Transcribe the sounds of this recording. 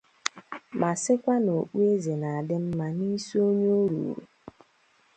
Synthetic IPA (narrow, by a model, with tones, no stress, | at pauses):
ma˨sɪ˦kʷa˦no˨k͡pu˦e˦ze˨na˨dɪ˦m̩˦ma˦ni˦so˦ɲo˦ɾṵ˨ɾṵ˨